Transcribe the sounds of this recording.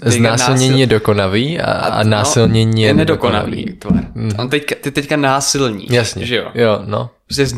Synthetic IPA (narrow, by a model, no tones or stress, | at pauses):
znaːsɪlɲɛɲiːjɛdoko̞naviːa̰naːsɪlɲɛɲiːjɛnɛdokona̰vḭːt̪va̰ɾ̩ont̪ɛckat̪ɪt̪ɛckanaːsɪlɲḭːjasɲɛʒɛo̰jono̰ | ɾoscɛz